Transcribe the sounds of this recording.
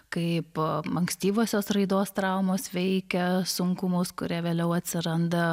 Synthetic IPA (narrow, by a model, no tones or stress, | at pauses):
kɐɪpɐŋksʲt̪ʲiːʋoːsʲoːsrɐɪd̪oːst̪ɾɐʊmoːsʋʲɛɪkʲɛsʊŋkʊmʊskʊɾʲiɛʋʲeːlʲɛʊɐt̪ʲsʲɪɾɐnd̪ɐ